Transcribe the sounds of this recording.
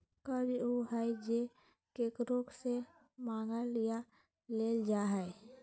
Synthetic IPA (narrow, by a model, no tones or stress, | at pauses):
kəbiuɦɛd͡ʒe | keːkɾokse | mãːŋɡalija | leːld͡ʒaːɦɛ